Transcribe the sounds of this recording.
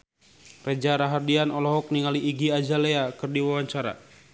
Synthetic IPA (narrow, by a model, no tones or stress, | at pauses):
red͡ʒaɾaɦardianɔlɔɦɔk̚niŋaliʔːɡiad͡ʒaleakɨrdiwawaɲt͡ʃaɾa̰